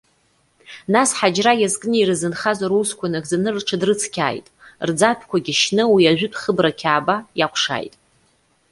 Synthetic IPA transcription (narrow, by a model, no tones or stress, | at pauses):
nasħad͡ʒrajazkʼnɨirɨzɨnχazaɾuskʷʰanɨɡzanɨrʈ͡ʂʰɨdrɨt͡sʰkʲʰa̰ːjtʼrd͡zapʰkʷʰaɡʲiʃnɨwiaʒʷᶣʏtʰʼχəbrakʲʰaːbajakʷʰʂa̰ːjtʼ